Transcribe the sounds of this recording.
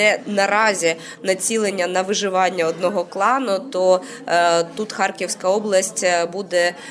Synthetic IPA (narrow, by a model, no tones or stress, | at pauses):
ɛnɐɾɑzʲi | nɐt͡sʲilˠenʲːɐnɐʋɪʒɪʋɑnʲːɐɔd̪nɔɦɔklˠɑnʊt̪ɔ | t̪ut̪xɑrkʲiwsʲkɐɔblˠɐsʲtʲbud̪ɛ